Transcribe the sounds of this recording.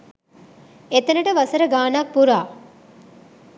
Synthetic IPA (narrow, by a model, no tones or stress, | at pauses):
et̪ɐnəʈəʋɐsəɾəɡaːnak̚puɾaː